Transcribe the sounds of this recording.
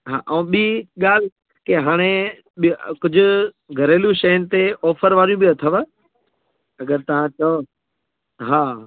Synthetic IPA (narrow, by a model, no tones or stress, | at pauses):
ɦa̰ːʔɛ̃ːɓiːɠaːl̤ | keɦaːɽ̃e | ɓkʊd͡ʑʱʊ̆ | ɡʱɐɾeːljũʃɐjənɪ̆t̪eʔɔːfəɾʋaːɾijũbiɐt̪ʰəʋə | ɐɡəɾt̪ɐʋ̤ãt͡ɕɐo | ɦaː